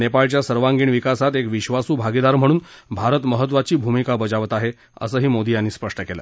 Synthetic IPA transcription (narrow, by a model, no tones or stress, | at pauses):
nepaɭt͡ɕjasəɾʋaŋɡiːɳʋikasat̪ekʋiɕʋasuːbʱaɡid̪aɾm̤əɽ̃uːnbʱaɾət̪məɦət̪̬ːʋat͡ɕiːbʱumikabəd͡ʑaʋət̪aɦe | ə̰səːɦiːmod̪ijanːiːspəʂʈəkela̰